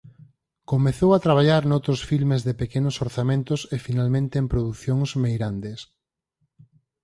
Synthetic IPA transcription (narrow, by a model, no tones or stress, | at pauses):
komeθowat̪ɾaβ̞aʎaɾnowt̪ɾʊsfilmezðepekenʊsoɾθamẽnt̪ʊsefinalmẽnt̪eːmpɾoðuθjoŋsmejɾand̪es